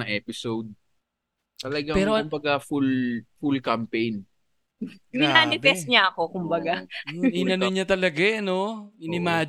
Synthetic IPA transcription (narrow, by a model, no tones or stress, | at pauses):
ɐŋʔɛːpɪsowd̪̚ | t̪ɐlɐɡakpɛːɾoʊmbɐɡafulfʊlkɐmpɛjn | ɪaːaːnɪbɛst̪̚ɲaɐkokʊmbɐɡajoʔɪnɐnoɲɐt̪ɐlɐɡanoɪnɪmaː